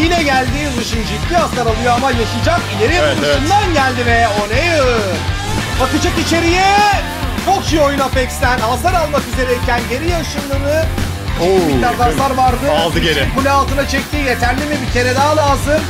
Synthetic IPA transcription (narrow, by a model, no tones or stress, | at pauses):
jinɛɟælʲd̪iːnɯʃɯnd͡ʒit̪lʲiast̪ˠaɾalˠɯjoamajaʃɯlˠd͡ʒakilʲe̞ɾijaʃɯnd̪anɟælʲd̪imɛonejɯ | bakɯd͡ʒakit͡ʃʰe̞ɾijɛ | kʰokt͡ʃijojunafɛkst̪ænhazlˠaɾalˠmakize̞ɾɛcʰænɟe̞ɾijaɯʃɯmlˠɯnɯ | obiaɾlˠaɾlˠaɾvaɾd̪ɯalˠd̪ɯeɾɛbulʲɛalˠt̪ɯnat͡ʃʰɛc̚t̪iːje̞t̪ʰæɾlʲimibicʰe̞ɾɛd̪aɦalˠaːzɯm